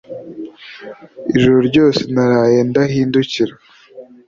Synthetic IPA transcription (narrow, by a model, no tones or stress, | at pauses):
iʒuɾuɾɟo̞ːsenaɾaːje̞ndahiːnduciɾa